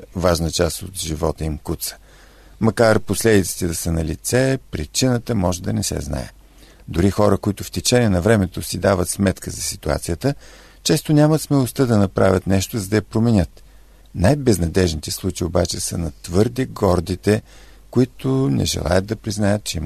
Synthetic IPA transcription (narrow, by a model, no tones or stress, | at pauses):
vaʒnət͡ʃast̪o̰t̪ʒivɔt̪əimkut̪sə̥ | mɐkaɾposlɛd̪it̪si̥t̪ɛd̪ɐsənɐlit̪sɛpɾit͡ʃinət̪əmɔʒɛd̪ɐnɛsɛ̰zna̰ɛ̰ | d̪ʊɾixɔɾəkoit̪ʊft̪ɛt͡ʃɛniɛnɐvɾɛmɛt̪osid̪avət̪smɛt̪kəzɐsi̥t̪ua̰t̪sijət̪ə | t͡ʃɛst̪onʲamət̪smɛlˠost̪əd̪ɐnɐpɾa̰vʲət̪nɛʃt̪ozəd̪ɐjːpɾomɛnʲət̪ | najbɛznɐd̪ɛʒnit̪ɛslˠut͡ʃiiobat͡ʃɛsə̰nɐt̪vɤɾd̪iɡɔɾd̪it̪ɛ | koit̪ʊnɛ̰ʒɛ̰lˠa̰jət̪̚d̪ɐpɾiznajət̪̚t͡ʃɛim